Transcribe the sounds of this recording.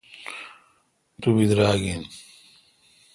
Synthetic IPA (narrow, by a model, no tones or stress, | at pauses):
t̪ubid̪ɾaːɡin